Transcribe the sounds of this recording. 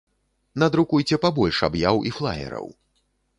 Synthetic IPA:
nɐd̪ɾukujt͡sʲɛpabɔlʲʂa̰bjawiflˠa̰jɛ̰ɾɐ̰w

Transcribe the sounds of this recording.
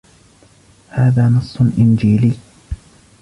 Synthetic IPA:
haːðaːnɑsˤːʊlʔɪnd͡ʒiːliː

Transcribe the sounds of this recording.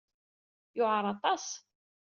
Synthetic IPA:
jʊʕəɾˤɑt̪ˤɑs

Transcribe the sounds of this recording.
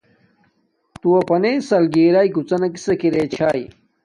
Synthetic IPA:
t̪uwɐpɐnejsɐlɡeːɾaːiɡut͡sɐnɐki̥sɐkiɾeːt͡ɕʰaːj

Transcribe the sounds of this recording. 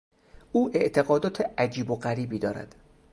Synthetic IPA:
ʔuːʔe̞ʔt̪ʰe̞ɣɒːd̪ɒːt̪ʰeʔæd͡ʒiːboɢæɾiːbiːd̪ɒːɾæ̰d̪̥

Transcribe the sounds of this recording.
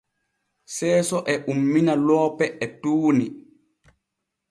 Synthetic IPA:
sɛːsɔʔɛʔumːinalɔːpɛʔɛtuːni

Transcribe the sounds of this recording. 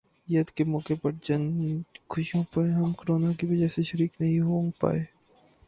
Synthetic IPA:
jɐd̪kemɔːkepɐɾd͡ʒɐnkʰʊʃijõpɐɾɦɐmkoɾoːnakiʋɐd͡ʒɛɦseʃɐɾiːknɐɦĩɦõːŋɡ̚pa̰ːeː

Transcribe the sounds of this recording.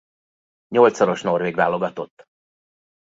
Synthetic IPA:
ɲo̞lt̪sɒɾo̞ʃno̞rveːɡva̰ːlo̞ɡɒt̪o̞t̪ː

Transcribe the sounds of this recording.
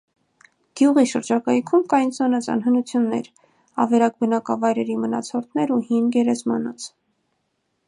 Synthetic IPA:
ɡ̥juʁiʃəɾd͡ʒɑkɑjkʰumkɑjnsɑnɑt͡sʰɑ̰nɦənut͡sʰjunːɛ̰ɾ | ɑ̰vɛɾɑk̚bənɑkɑvɑjɾɛɾimənɑ̰t͡sʰɔɾt̪ʰnɛɾuhinɡɛɾɛzmɑnɔt͡sʰ

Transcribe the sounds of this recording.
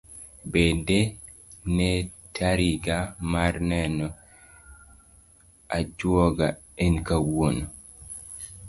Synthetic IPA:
bede | nɛtʰaɾiɡamarnɛnɔ | ad͡ʒwɔɡa | enkawon

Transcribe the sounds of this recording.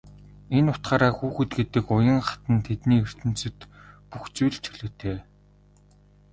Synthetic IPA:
enʊt̪χaːɾaːxuːxɘ̆t̪ɡet̪ɘ̆kʊjə̆ŋχḁt̪ə̆nt̪ʰet̪niːer̥t̪ɘ̆n̥t͡sɵ̆ɘ̆t̪puxt͡sujɮt͡ɕʰɵɮɵ̆ːt̪ʰeː

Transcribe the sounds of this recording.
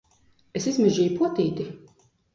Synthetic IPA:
esizmiʒiːjpuɔt̪iːt̪i

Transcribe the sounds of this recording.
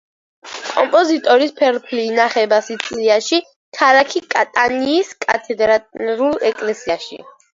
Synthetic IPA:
kʼɔ̰mpʼɔzit̪ʼɔɾispʰɛɾpʰlinaχɛbasit̪sʼliaʃi | k̪ʰaɾakʰikʼat̪ʼaniːskʼa̰t̪ʰɛd̪ɾat̪ɾulˠɛkʼlɛsiaʃḭ

